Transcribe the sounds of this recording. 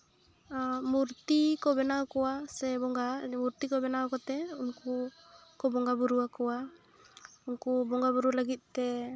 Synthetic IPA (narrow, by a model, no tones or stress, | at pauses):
muɾt̪ikɔbɛnawkɔwasɛbɔŋɡamuɾt̪ikɔbɛnawkɔt̪ɛunku | kɔbɔŋɡabuɾuwakɔwa | unkubɔŋɡabuɾulaɡit̪̚t̪ɛ